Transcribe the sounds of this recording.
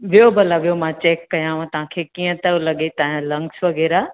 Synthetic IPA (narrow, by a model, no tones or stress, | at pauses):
ʋijobəlaʋijomãt͡ɕeːkːɐjããt̪ɐʋ̤ãkʰekiːə̃t̪ɐolɐɠet̪ɐ̃ɦlɐ̃ŋɡsʋɐɡɛːɾa